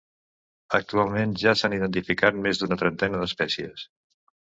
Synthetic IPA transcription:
ək̚t̪ualˠmenʒasaniðənt̪̬ifikat̪̚mezd̪unət̪ɾənt̪ɛnəðəspɛsiə̰s

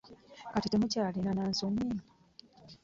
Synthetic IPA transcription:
katitemucaːlinanaːnsomi

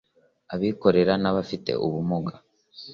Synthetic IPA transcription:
aβiːko̞ɾe̞ɾanaβafite̞̰ʔuβumuɡa

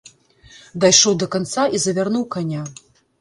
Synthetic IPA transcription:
d̪ajʂɔwd̪ɐkant̪saʔizɐvʲarnuwkanʲa

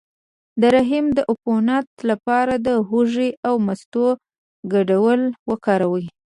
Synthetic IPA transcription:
d̪əɾaɦimd̪əʔʊponat̪lapɑɾad̪əɦuʒiʔawmast̪o | ɡaɖawəlwəkɑɾawi

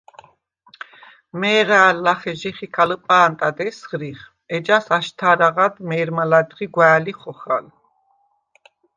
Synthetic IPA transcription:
mɛːʁaːlːaχɛʒiχikʰaləpʼaːnt̪ʼad̪ɛsʁɾiχ | ɛd͡ʒasaʃt̪ʰaɾaʁad̪mɛɾmalad̪ʁiɡwaːliχɔχa̰l

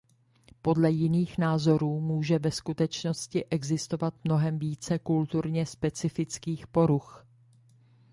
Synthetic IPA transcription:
po̞dlɛjɪniːxnaːzo̞ɾuːmuːʒɛvɛskut̪ɛt͡ʃno̞scɪʔɛɡzɪst̪o̞vat̪mno̞ɦɛmviːt͡sɛkult̪uɾɲɛspɛt͡sɪfɪt͡skiːxpo̞ɾux

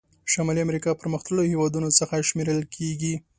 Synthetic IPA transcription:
ʃamɑliamɾikɑpəɾməxt̪əlohewɑd̪unot͡səxaʃmeɾəlkʰeɡi

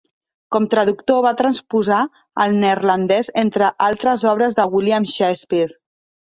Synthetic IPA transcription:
kɔmt̪ɾəðukt̪oβat̪ɾənspuza | ə̰lˠnerlənd̪ɛzent̪ɾəʔalˠt̪ɾəzɔβ̞ɾəzðəɣwiljamʃespiɾ

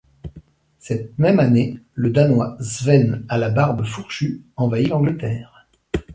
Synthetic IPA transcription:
sɛt̪̚mɛmaneləd̪anwazvɛnalabaʁbəfuʁʃyɑ̃vailɑ̃ɡlət̪ɛːʁ

